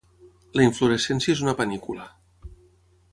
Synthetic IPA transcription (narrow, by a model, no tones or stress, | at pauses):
ləiɱfluɾesensjezunapənikula